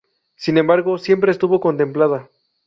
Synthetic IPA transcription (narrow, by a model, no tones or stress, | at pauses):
sine̞mbaɾɣo̞sje̞mpɾe̞ːst̪uβo̞ko̞nt̪e̞mplaða